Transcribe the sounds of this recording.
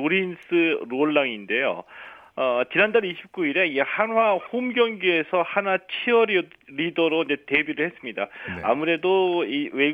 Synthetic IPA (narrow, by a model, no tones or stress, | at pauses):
oɾinsʰɯɾoɭːaŋinde̞jo̰ | ʌt͡ɕinandaɾiɕʰi̥p̚k͈uiɾe̞id͡ʑehanwahomɡjʌŋɡjue̞sʰʌhanat͡ɕʰiʌɾiɾidʌɾoind͡ʑe̞te̞biɾɯɭhe̞s͈ɯmɲidaa̰muɾe̞doiwe